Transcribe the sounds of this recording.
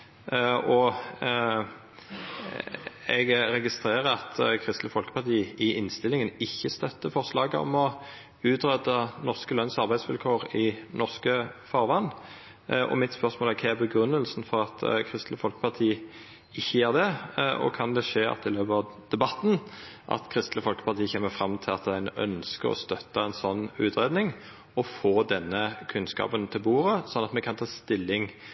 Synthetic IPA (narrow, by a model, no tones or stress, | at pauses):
ɔ | ɛɡʁɛɡɪst̪ʁeːʁəɑt̪kʰʁɪst̪ləfɔlkə̥pɑʁt̪ʰiːɪʔɪnst̪ɪlɪŋənɪçːəst̪œt̪ːəfɔʁslɑːɡəɔ̰mɔ | ʉːt̪ʁɛd̪ənɔʁskəlœnsɑʁbæɪdsʋɪlkʰoːʁɪnɔʁskəfɑʁʋɑnː | ʔɔ̰mɪt̪spœʁsmoːlɛkʰææbəɡʁʉnːəlsnfɔʁɑt̪kʰʁɪst̪ləfɔlkə̥pɑt̪ʰiː | ɪçːəjæːʁd̪ɛɔ̰kʰɑnd̪ɛʂeːɑ̰t̪ːɪløːpəɑʋd̪̥ɛbɑt̪ːn̩ | ʔɑ̰t̪kʰʁɪst̪ləfɔlkə̥pʰɑʁt̪iːəçɛːməfʁɑmt̪ʰɪlɑt̪d̪æɪnœ̰nskə̰ʁɔ̰st̪œt̪ːɑɛnsɔnːʉːt̪ɾeːd̪nɪŋ | ɔfoːd̪ɛnːəkʰʉnskɑ̰ːpənt̪ʰɪlbuːɾəsɔnːɑt̪mɛkʰɑnt̪ʰɑːst̪ɪlːɪŋ